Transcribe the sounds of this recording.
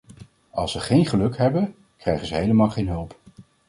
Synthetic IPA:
ɑ̰lˠsʋəχejnχəlɵkɦɛbən | krɛjχəzəɦejləmaːlˠχejnɦɵlˠp

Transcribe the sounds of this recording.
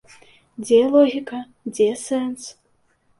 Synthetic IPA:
d͡zʲɛlˠɔɣʲikɐ | d͡zʲɛsɛns

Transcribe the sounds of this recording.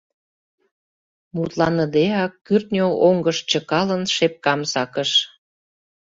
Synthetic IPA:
mut̪lɑnəd̪eɑkːyrt̪nʲooŋɡəʃt͡ɕə̆kɑlənʃep̚kɑmsɑkəʃ

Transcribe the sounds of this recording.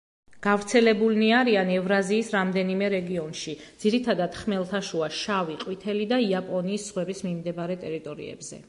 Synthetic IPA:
ɡ̥avɾt̪sʰɛlɛbulniaɾianɛvɾaziːsɾamd̪ɛnimɛɾɛɡiɔnʃidd̪ziɾit̪ʰad̪ad̪̥χmɛlˠt̪ʰaʃuaʃaviqʼwit̪ʰɛlid̪aiapʼɔniːsːʁwɛbismimd̪ɛbaɾɛt̪ʼɛɾit̪ʼɔɾḭɛ̰bzɛ̰

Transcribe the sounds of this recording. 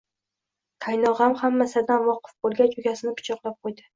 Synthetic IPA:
kʰajnɒʁamhamːasad̪anvɒqʰɨ̥fbolˠɡʲat͡ʃʰʊɡʲasɪnɪpʰʊ̥t͡ʃʰɒqlˠap̚qʰojd̪ɪ

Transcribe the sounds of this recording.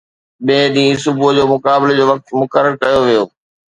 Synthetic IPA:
ɓẽːɗĩːsʊbʊd͡ʑoːmʊkaːbɪled͡ʑoːʋɐk̚t̪mʊkəɾəɾkɐjoʋijoː

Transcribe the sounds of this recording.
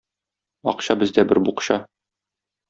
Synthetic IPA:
ɒ̰qɕɑbɘ̆zd̪æbɘɾbuqɕɑ

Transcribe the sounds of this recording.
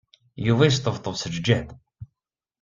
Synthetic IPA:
juvæjəs̬t̪ˤəvt̪ˤːəvsəd͡ʒd͡ʒːæd

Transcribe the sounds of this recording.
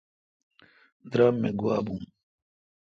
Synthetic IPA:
d̪ɾaːmːeɡuwaːbũːm

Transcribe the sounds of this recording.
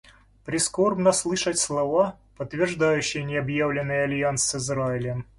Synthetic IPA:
pɾʲɪsko̞rbnəslˠɨʂətʲslˠɐva | pət̪ːvʲɪrʐd̪ajʉɕːɪjənʲɪɐbjavlʲɪnːɨjɐlʲjansɨzɾaɪlʲɪm

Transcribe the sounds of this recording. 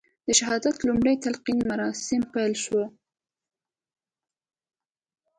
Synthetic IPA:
d̪̥əʃahɑd̪at̪lumɽəjt̪alqinmaɾɑsɪmpajlʃwə

